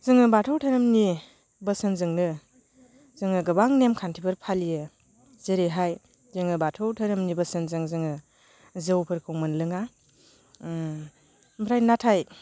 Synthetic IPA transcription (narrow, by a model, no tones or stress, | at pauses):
zɯŋɯbatʰɯwtʰaɾɯmni | bəsɯnzɯŋnɯ | z̥ɯŋɯɡɯbaŋnemkʰantʰibɯɾpʰalijɯ | zeɾeɦaj | zɯŋɯbatʰɯwtʰaɾɯmnibɐsɯnzɯŋzɯŋɯ | zɯwpʰɯɾkʰɯmɯnlɯŋa | mbʰɾajnatʰaj